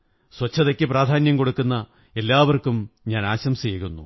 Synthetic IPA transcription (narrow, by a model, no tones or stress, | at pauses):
swɐt͡ɕʰːɐðɐkʲːɨpraːd̪ʱaːnjɐmko̞ɽukːunːɐ | e̞lːaːʋɐrkumɲaːnaːɕɐmsejɣunːṵ